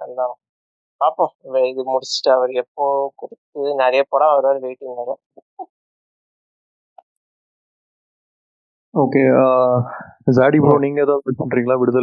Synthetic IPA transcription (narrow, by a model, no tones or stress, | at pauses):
ɐlːãː | paːpːõʋɛðɯmʊɽɪsɪ̥ʈːɯɐʋɐɾɛpːoːkʊɽɯt̪ːɯnɛɾɐjɐpoːɽãːɐʋɐɾaːɾɯʋeːʈːɯnnɐɾɐ | oːkeːa | zaːɽibɾoːniːŋɡɐðãːpɪpːɐɳɾiːŋɡɐɭãːʋɪɽɯðɐ